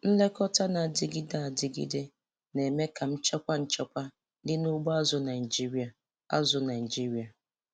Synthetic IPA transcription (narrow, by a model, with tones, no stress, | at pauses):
n̩˦le˦kɔ˦tʰa˦na˨dɪ˨ɡi˦da˨a˨dɪ˨ɡḭ˦de˦ | ne˨me˦kʰa˨m̩˦t͡ʃɛ˦kʷa˦n̩˦t͡ʃɛ˦kʷa˦ | dɪ˦nu˦ɡ͡ba˦zʊ˦na˨ɪ˨i˨d͡ʒi˦ɾi˦a˨ | a̰˦zʊ˨na˨d͡ʒi˦ɾi˨a˨